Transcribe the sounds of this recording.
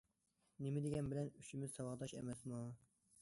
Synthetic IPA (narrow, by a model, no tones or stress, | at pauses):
nɪmɪd̪ɪɡʲɛnbɪlɛnyʃimɪz̥sɑwɑʁd̪ɑʃɛ̰mɛsmu